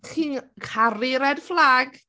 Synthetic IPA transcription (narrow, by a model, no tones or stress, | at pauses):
χiːnkʰaɾiɾɛdflaɡ